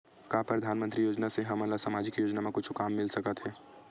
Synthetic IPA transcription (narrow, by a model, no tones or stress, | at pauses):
kaːpɾɐd̪ʱaːnmə̃nt̪ɾijoːd͡ʒnaseɦɐmənlasaːmaːd͡ʒɪkjoːd͡ʒnamẽkʊt͡ʃʰkaːmːɪlsɐkət̪ɦɛː